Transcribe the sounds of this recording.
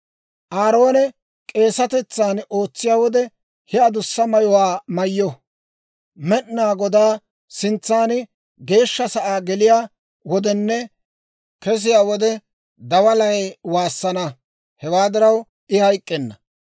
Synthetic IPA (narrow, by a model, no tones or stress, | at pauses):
ʔaːɾo̞ːnɛ | kʼe̞ːsɐt̪ɛt͡sːaːno̞ːt͡sːɪjaːwɔd̪ɛ | hɛɐd̪ʊsːɐmɐjɔwaːmɐjːɔ | mɛɗnaːɡɔd̪aː | sɪnt͡sːaːn | ɡe̞ːʃːɐsɐʔaːɡɛlɪjaː | wɔd̪ɛnːɛ | kɛs̬ɪjaːwɔd̪ɛ | d̪ɐwɐlɐjwaːsːɐnɐ | hɛwaːd̪ɪɾɐw | ɪhɐjkʼːɛnːɐ